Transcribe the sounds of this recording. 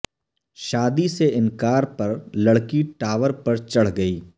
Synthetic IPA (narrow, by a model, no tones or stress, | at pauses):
ʃaːd̪iseɪ̃nkaːɾpɐɾlɐɽkiʈaːʋəɾpɐɾt͡ʃɐɽ̤ɡɐiː